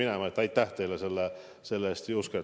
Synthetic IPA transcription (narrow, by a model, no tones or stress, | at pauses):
inæmɑt̪ːɑit̪t̪ːæht̪eːlːæselːæ | selːɑist̪uskɑ